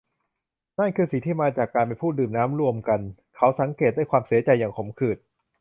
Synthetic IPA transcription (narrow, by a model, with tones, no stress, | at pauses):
na˥˩nkʰɯː˧si˨˩˦t̪ʰiː˥˩maː˧t͡ɕaː˨˩kːaː˧np̬a˧jpʰuː˥˩t̪̚dɯː˨˩mnaː˦˥mɾu˧əmka˧n | kʰa˦˥wsa˩˦ŋkeː˨˩t̪̚daː˥˩jkʰwaː˧msi˨˩˦ɐt͡ɕa˧jːaː˨˩ŋkʰo˩˦mkʰɯː˨˩t̪̚